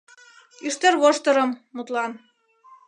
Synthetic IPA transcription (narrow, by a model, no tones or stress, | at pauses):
yʃt̪erβoʃt̪ɤ̆ɾɤ̆mːut̪lɑn